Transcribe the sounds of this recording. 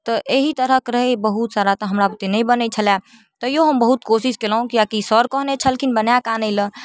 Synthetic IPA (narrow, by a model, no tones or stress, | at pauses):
t̪ɔʔeɦit̪əɾəkɾəɦebəɦut̪saɾat̪əɦəmɾabət̪enəĩbənɛt͡ʃʰəlɛ | t̪əjoɦəmbəɦut̪̚kosiskeləɦũkijakisəɾkəɦnet͡ʃʰəlkʰinbənjakanəɪlə̃